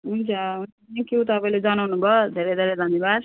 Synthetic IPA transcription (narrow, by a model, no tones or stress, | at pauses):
ɦunt͡sʰʌɦunt͡sʰʌekjut̪ʌpaĩled͡zʌnawnubʱʌd̪ʱeɾed̪ʱeɾed̪ʱʌnjebad̪